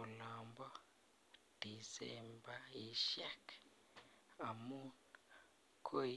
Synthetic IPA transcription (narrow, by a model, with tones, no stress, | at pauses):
u˨lɔ˨mbɔ˦ | d̥i˨sɛ̰˦˨mba˦i˨ʃa˦k | a˨mu˦n | kʰo˦